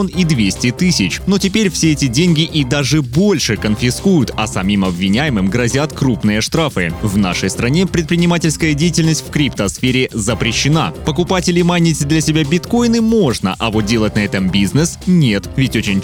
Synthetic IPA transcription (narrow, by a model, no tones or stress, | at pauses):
onid̪vʲesʲtʲɪt̪ɨsʲɪt͡ɕno̞tʲɪpʲeɾʲfsʲeɛtʲɪdʲenʲɡʲɪʔid̪aʐɨbo̞lʲʂɨkənfʲɪskujʊt̪ɐsɐmʲimɐbvʲɪnʲæjɪmɨmɡɾɐzʲat̪kɾupnɨjəʂt̪ɾafɨvna̰ʂəjst̪ɾɐnʲe̞pɾʲɪt̪̚pɾʲɪnʲɪmatʲɪlʲskəjədʲejɪtʲɪlʲnəsʲt̪ʲfʲkɾʲipt̪əsfʲeɾʲɪzəpɾʲɪɕːɪna̰pəkʊpatʲɪlʲɪmanʲɪtʲd̪lʲɐsʲɪbʲabʲɪt̪ko̞jnɨmo̞ʐnə̰ʔɐvo̞t̪̚dʲe̞lˠət̚ʲnɐɛt̪əmbʲiznɨsnʲet̪vʲɪtʲo̞t͡ɕɪnʲ